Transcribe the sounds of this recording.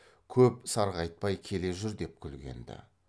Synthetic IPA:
kʲʰɵp̚sɑɾʁɑjt̪̚pɑjkʲʰe̞le̞ʒʏɾd̪e̞p̚kʲʰʏlɡʲe̞̰nd̪ɪ̰

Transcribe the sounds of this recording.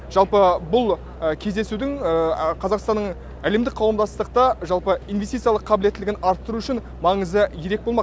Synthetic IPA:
ʒ̥ɑlˠpəbʊlˠ | əkʲʰe̞zd̪e̞sud̪ɪŋəqʰɑzɑqst̪ɑnːəɴ | æle̞md̪ɪk̚qʰɑwəmd̪ɑst̪əq̚t̪ɑʒɑlˠpəijnvʲesijt̪ɨjɑlˠəqʰːɑbɪlet̪ːɪlɪɡʲɪnɑɾt̪ːəɾuʏʃɪn | mɑɴəzəjʰeɾe̞k̚bo̞lˠmɑq

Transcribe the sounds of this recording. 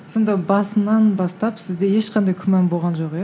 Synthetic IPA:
so̞nd̪ɑbɑsənɑnbɑst̪ɑpsɪzd̪e̞je̞ʃqʰɑnd̪ɑjkʲʰʏmɑnbo̞lˠʁɑnʒo̞qjɑ

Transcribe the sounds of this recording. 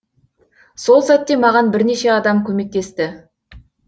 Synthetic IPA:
so̞lˠsæt̪ːe̞mɑʁɑnbɪɾne̞ʃe̞ɑd̪ɑmkʲʰɵme̞k̚t̪e̞st̪ɪ

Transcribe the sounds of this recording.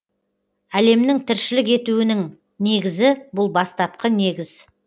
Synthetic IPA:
æle̞mnɪŋt̪ʰɪɾʃɪlɪke̞t̪uɪnɪŋ | ne̞ɡʲɪzɪbʊlˠbɑst̪ɑp̚qəne̞ɡʲɪz̥

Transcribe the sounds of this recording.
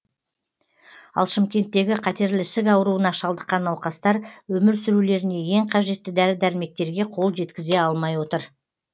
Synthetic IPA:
ɑ̰lˠʃɪmkʲe̞nt̪ːe̞ɡʲɪqʰɑt̪e̞ɾlɪsɪkɑwəɾuənɑʃɑlˠd̪əqːɑnɑwqɑst̪ɑɾwɵmɪɾsʏɾule̞ɾɪne̞je̞ŋqʰɑʒe̞t̪ːɪd̪æɾɪd̪æɾɪme̞k̚t̪e̞ɾɡʲe̞qʰolˠʒe̞t̪kʲɪze̞ɑlˠmɑjwo̞t̪əɾ

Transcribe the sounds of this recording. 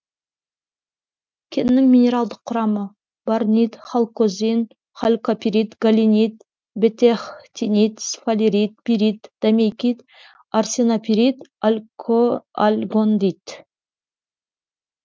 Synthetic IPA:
kʲʰɪnɪnɪŋmʲinʲe̞ɾɑlˠd̪əqʰːʊɾɑmə | baɾnit̪χalˠkozʲin | χalʲkopʲiɾit̪ɡalʲinʲit̪ | bet̪eχt̪ʲʰinʲit̪sfalʲiɾit̪̚piɾit̪d̪̥amʲejkʲit̪ | arsʲenapʲiɾit̪alʲkʰoalʲɡond̪it̪

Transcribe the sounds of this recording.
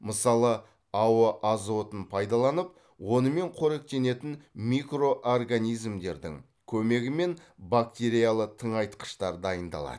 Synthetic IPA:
məsɑlˠə | ɑwəʔɑzot̪ənpʰɑjd̪ɑlˠɑnəp̚ | wo̞nəme̞ɴqʰoɾek̚t̪e̞ne̞t̪ɪnmʲikro̞ʔorɡanijzmd̪e̞ɾd̪ɪ̰ŋ | kʲʰɵme̞ɡʲɪme̞nbak̚t̪ʲe̞ɾijalˠət̪ʰəɴɑjt̪qə̥ʃt̪ɑɾd̪ɑjənd̪ɑ̰lˠɑ̰d̪

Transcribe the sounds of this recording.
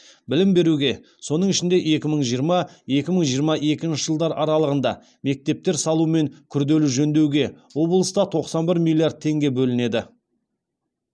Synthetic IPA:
bɪlɪmbe̞ɾuɡʲe̞ | so̞nəɴɪʃɪnd̪e̞ʔe̞kʲɪməɴʒijəɾmɑ | e̞kʲɪməɴʒijəɾmɑʔe̞kʲɪnʃɪʒəlˠd̪ɑɾɑɾɑlˠəʁənd̪ɑ̰ | me̞k̚t̪e̞p̚t̪e̞ɾsɑlˠume̞ŋkʲʰʏɾd̪e̞luʒɵnd̪e̞wɡʲe̞wo̞blˠəst̪ɑt̪ʰo̞qsɑnbɪɾmʲilʲːijaɾd̪̚t̪ʰe̞ŋɡʲe̞bɵlɪne̞d̪ɪ

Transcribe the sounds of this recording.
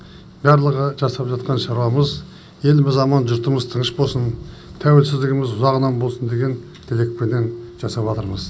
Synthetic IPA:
bæɾlˠəʁəʒɑsɑpʒɑt̪qɑnʃɑɾwɑməz | je̞lbɪzɑmɑnʒʊɾt̪əməzt̪ʰəɴəʃbo̞lˠsən | t̪ʰæwelsɪzd̪ɪɡʲɪmɪzʊzɑʁənɑmbo̞lˠsənd̪e̞ɡʲen | t̪ʰele̞k̚penːenʒ̥ɑsɑpɑt̪əɾməz

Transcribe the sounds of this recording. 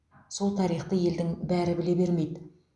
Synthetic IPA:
so̞lˠt̪ʰɑɾijχt̪əje̞ld̪ɪŋbæɾɪbɪle̞be̞ɾme̞jd̪ɪ

